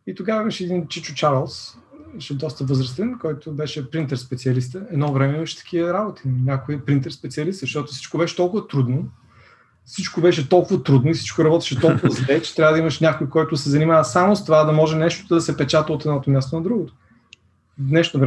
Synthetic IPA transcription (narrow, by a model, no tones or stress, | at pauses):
it̪oɡavɐiməʃɛɛd̪int͡ʃit͡ʃʊ̥t͡ʃaɾlˠs | ɛʃɛd̪ɔst̪əvəzɾɐst̪ɛnkɔjt̪ʊbɛʃɛpɾint̪ɛɾspɛt̪siɐlist̪əɛd̪nɔvɾɛmɛimɐʃɛ̥t̪ɐ̥kʰiəɾabot̪i̥ninʲakʊiəpɾint̪ɛɾspɛt̪siɐlist̪zʃt̪ɔt̪ʊ̥si̥t͡ʃkobɛʃɛ̥t̪ɔlˠkʊvət̪ɾud̪no | sit͡ʃkobɛʃɛt̪ɔlˠkʊvɐt̪ɾud̪noisi̥t͡ʃkoɾɐbɔt̪ɛ̥ʃɛt̪ɔlˠkʊvəzlɛt͡ʃɛ̥t̪ɾʲavəd̪ɐimɐʃnʲakojkɔjt̪ʊd̪sɛzɐnimavɐsamost̪ovad̪ɐmɔʒɛnɛʃt̪od̪ɐsɛpɛt͡ʃat̪əot̪ɛd̪nɔt̪omʲjast̪onɐd̪ɾuɡot̪o̥ | vnɛʃt̪ovɾɛ